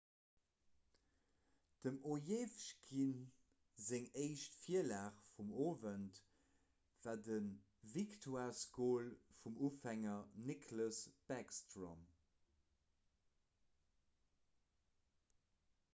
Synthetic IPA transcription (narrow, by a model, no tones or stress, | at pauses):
d̥əmojeːfʃɡin | zeŋeɪʃtfiəlaːχfumoːvənt | v̥aːdən | viktʰwaːskoːlfumuːfæŋɐnikʰləsb̥ɛkstrɔ̰m